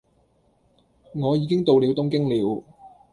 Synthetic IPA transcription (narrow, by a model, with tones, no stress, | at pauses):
ŋɔː˨˧jiː˨˧kɪ˥ŋt̪o˨wli˨˥wt̪ʊ˥ŋkɪ˥ŋliː˨˥w